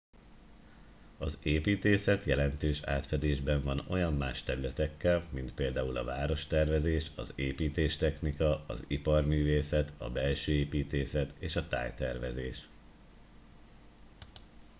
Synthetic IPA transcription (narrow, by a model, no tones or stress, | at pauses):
ɒzeːpiːt̪eːsɛt̪jɛlɛnt̪øːʃa̰ːt̪fɛd̪eːʒbɛɱvɒno̞jɒmːaːʃt̪ɛɾylɛt̪ɛkːɛlmint̪̚peːld̪aːulɒvaːɾo̞ʃt̪ɛrvɛzeːʃɒ̰zeːpiːt̪eːʃt̪ɛxnikɒɒ̰zipɒrmyːveːsɛt̪ʰɒ̰bɛlʃøːeːpiːt̪eːsɛt̪eːʃɒt̪a̰ːjt̪ɛrvɛzeːʃ